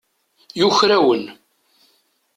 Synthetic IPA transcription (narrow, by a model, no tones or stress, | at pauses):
juçɾæwən